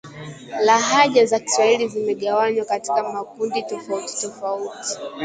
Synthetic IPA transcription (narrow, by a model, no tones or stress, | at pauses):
laɦaʄazaki̥swahilizimɛɠawaɲwakati̥kamakunditɔfauti̥tɔfauti̥